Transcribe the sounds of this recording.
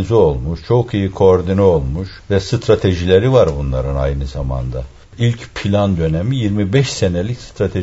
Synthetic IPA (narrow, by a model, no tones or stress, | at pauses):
nzyo̞lˠmuʃt͡ʃʰo̞kijikʰo̞ːɾd̪inyo̞lˠmuʃ | vɛsɯt̪ʰɾat̪ʰe̞ʒilʲe̞ɾivaɾbunlˠaɾɯna̰jnɯzama̰nd̪a | ilʲcpʰilʲand̪ø̞nemijiɾmibɛʃse̞nelʲicst̪ʰɾat̪ʰe